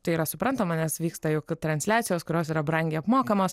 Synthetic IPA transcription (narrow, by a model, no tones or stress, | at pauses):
t̪ɐɪiɾɐsʊpɾɐnt̪ɐmɐnʲɛsʋʲiːkst̪ɐjʊkt̪ɾɐnʲsʲlʲæːt̪ʲɪjoːskʊɾʲoːsiːɾɐbɾɐŋʲɡʲeːɐpmoːkɐmoːs